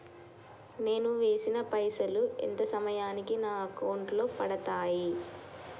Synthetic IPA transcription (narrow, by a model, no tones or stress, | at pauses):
ne̞ːnuʋe̞ːsinɐpɐjsɐluḛnt̪ɐsɐmɐjaːnikinaːɐkɐwɳɖlo̞ːpɐɽɐt̪aːji